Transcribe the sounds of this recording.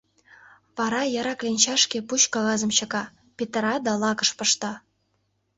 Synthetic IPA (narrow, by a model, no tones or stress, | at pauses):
vɑɾɑjɑɾɑklʲenʲt͡ɕɑʂkʲepuɕkɑɣɑzɤ̆mɕɤ̆kɑ | pʲet̪ɾɑd̪ɑlˠɑkɤ̆ʃpɤ̆ʃt̪ɑ